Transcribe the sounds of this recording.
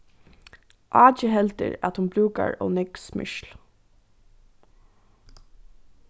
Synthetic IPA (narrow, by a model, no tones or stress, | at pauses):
ʔɑːt͡ʃəɦɛlt̪ɪ̰ɹat̪hʊnbɾuːka̰ɹɔːnɛksmʏ̰ʃl